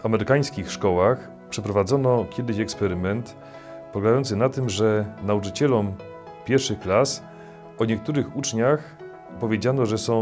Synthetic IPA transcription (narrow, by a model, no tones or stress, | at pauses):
amɛɾɘkaj̃skʲixʂkɔwax | pʂɛpɾɔvad̪zɔnɔkʲɛd̪ɘɕɛkspɛɾɘmɛnt̪ | pɔɡajɔnt̪sɘnat̪ɘmʐɛnaut͡ʂɘt͡ɕɛlɔm | pʲjɛɾfʂɘxklas | ɔɲɛk̚t̪uɾɘxut͡ʂɲax | pɔvʲjed͡ʑanɔʐɛsɔ̃w̃